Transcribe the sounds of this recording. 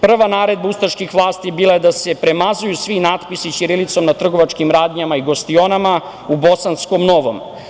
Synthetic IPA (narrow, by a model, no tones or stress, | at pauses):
pr̩ʋanaːɾe̞d̪̚baust̪aʃkixʋlˠaːst̪ibiːlˠaje̞d̪ase̞pɾe̞mazujusʋinaːt̪pisit͡ɕiɾilit̪so̞mnat̪r̩ɡo̞ʋat͡ʃkimɾaːd̪ɲamaiɡo̞st̪io̞nama | ubo̞sansko̞mno̞ʋo̰m